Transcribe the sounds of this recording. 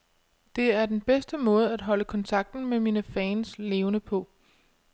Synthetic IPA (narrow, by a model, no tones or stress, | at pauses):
d̥e̝æɐd̥enb̥esd̥əmɔ̽ːð̞̩ˠæd̥ɦɒ̽ləkʰɒ̽nt͡sʰɑ̈ɡ̥̚d̥n̩memiːnəfɛːnsle̝ːʊnəpʰɒ̽